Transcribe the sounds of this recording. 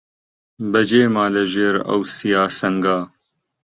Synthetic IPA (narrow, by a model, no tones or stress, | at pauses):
bɐd͡ʒeːmaːlɐʒeːɾɐ̰wsijaːsɐŋɡaː